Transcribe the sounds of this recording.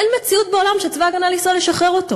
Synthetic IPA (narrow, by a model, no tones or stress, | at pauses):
enme̞t͡siut̚beolamʃet͡svaaɡanalisole̞ʃaχʁeʁo̞to̞